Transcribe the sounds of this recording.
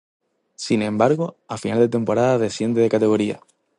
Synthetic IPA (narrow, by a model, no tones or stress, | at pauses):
sinẽ̞mbaɾɣo̞afinald̪e̞t̪e̞mpo̞ɾaðaðe̞sje̞nd̪e̞ðekat̪e̞ɣ̞o̞ɾia̰